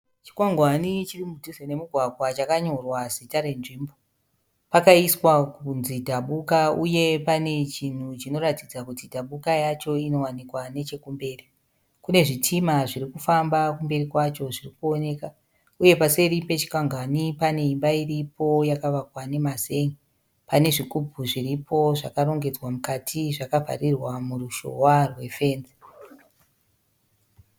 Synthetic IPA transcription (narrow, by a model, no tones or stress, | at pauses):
t͡ʃi̥kwaŋɡwanit͡ʃirimudʱuzene̞muɡʱwaɡʱwat͡ʃakaɲo̞rwazitaɾe̞nʐiːmbo̞ | pakaiswakunzidʱaɓukauje̞pane̞t͡ʃin̤ut͡ʃino̞ratid͡zakutidʱaɓukajat͡ʃo̞ino̞wanikwane̞t͡ʃe̞kumbe̞ːri | kune̞ʐitʰimaʐiɾikufambakumbe̞ɾikwat͡ʃo̞ʐirikuone̞ːka | uje̞pase̞ɾipe̞t͡ʃi̥kaŋɡanipane̞imbairipo̞jakaʋakwane̞maze̞ŋi | pane̞ʐikubʱuʐiripʰo̞ʐa̰kaɾo̞ŋɡe̞d͡zwamukatʰiʐakavʱa̰rirwamuruʃo̞̰warwe̞fe̞ːnzi